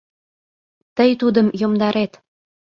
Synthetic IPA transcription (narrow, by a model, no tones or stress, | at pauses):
t̪əjt̪ud̪əmjomd̪ɑɾet̪